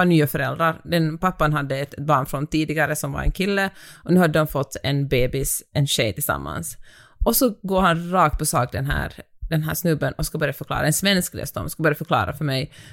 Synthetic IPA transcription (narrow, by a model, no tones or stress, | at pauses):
anyːafœɾɛld̪ɾaɾd̪ɛnpapːanɦad̪ːəɛt̪bɑːɳfɾɔnt̪iːd̪ɪɡaɾəsɔmva̰ɾɛ̰nkʰɪlːəɔnʉ̟ːhad̪ːəd̪ɔmfɔt̪ːɛnbeːbɪsɛnɕɛjt̪ʰɪlsa̰mːa̰ns | ʔɔsɔɡoːɾhanɾɑːk̚t̪̚pʰɔsɑːkd̪ɛnɦæ̰ːɾd̪̥ɛnɦæːʂnɵbːənɔskabœɾjafœɾkʰlɑ̰ːɾʔaɛnsvɛnskɾḛːst̪ɔ̰mskabœɾjafœɾkʰlɑ̰ːɾʔa̰fœɾmɛj